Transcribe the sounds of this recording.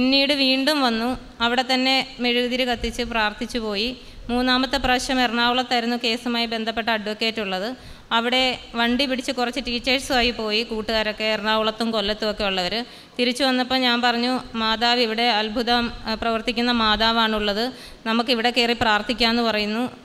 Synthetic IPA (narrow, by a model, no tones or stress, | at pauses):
pinːiːɽɨʋiːɳɖumʋɐnːu | ɐʋiɽe̞t̪ɐnːe̞meɻuðiɾɨkɐt̪ːit͡ɕːɨpraːrt̪ʰit͡ɕːupo̞ːji | muːnːaːmɐt̪ːɨprɐɕɐmerɐɳaːwuɭɐt̪ːɐɾunːuke̞ːsumaːjibe̞nd̪ʱɐpːe̞ʈːɨɐɖʋokːe̞ːtːuɭːɐðɨ | ɐʋiɽe̞ʋɐɳɖipiɽit͡ɕːɨkurɐt͡ɕːɨʈiːt͡ɕːeːʈsʋaːjipo̞ːjikuːʈːuɣaːɾo̞kːe̞ːrɳaːuɭɐt̪ːumko̞lːɐt̪ːuokːe̞juɭːɐʋɐɾɨ | t̪iɾit͡ɕːuʋɐnːɐpːoːɲaːnpɐrɐɲːumaːd̪aːʋiʋiɽe̞ɐlbʱuðɐmprɐʋɐrt̪ikʲːunːɐmaːðaːʋaːɳuɭːɐðɨ | nɐmukːiʋiɽe̞keːripraːrt̪ʰikʲːaːenːɨpɐrɐjunːu